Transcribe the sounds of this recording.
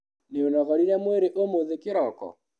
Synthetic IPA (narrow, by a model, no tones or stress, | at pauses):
neonɔɣɔɾiɾɛmweɾeʔomoðekeɾɔkɔ̰